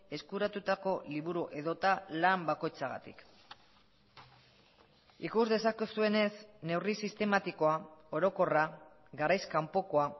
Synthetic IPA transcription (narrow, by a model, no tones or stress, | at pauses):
e̞skuɾat̪ut̪ako̞liβuɾuʔe̞ðo̞t̪alambako̞jt͡saɣa̰t̪ḭk | ikuzðe̞sakesue̞ne̞sne̞wrisist̪e̞mat̪iko̞ao̞ɾo̞ko̞ra | ɣaɾajskampo̞ko̞a